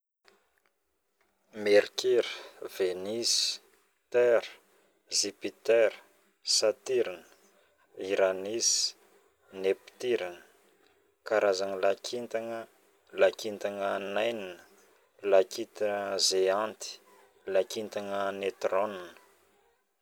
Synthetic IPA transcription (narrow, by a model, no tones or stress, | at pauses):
meɾkʰiɾəv̥enisi̥ | t̪ɛɾə̥ | zipit̪eɾə | sat̪iɾinə̥ | iɾanisi̥ | nepi̥t̪iɾanə̥ | kaɾazanəlakʰint̪aŋə | lakint̪aŋənajninə̥ | lakit̪əzeant̪i̥ | lakint̪aŋənet̪ronnə̥